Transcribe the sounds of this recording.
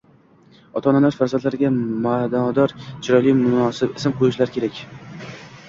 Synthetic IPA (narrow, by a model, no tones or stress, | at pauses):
ɒt̪ʰɒnalaɾfaɾzant̪laɾɪɡʲamad̪ad̪ɒɾt͡ʃʰɪɾɒjlijmʊnɒsɪbɪsɪmqʰojɪʃlaɾkʲʰe̞ɾakʲ